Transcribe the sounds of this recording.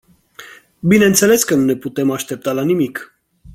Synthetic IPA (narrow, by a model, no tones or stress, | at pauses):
binɛnt̪sɛlɛskənunɛput̪ɛmaʃt̪ɛp̚t̪alanimik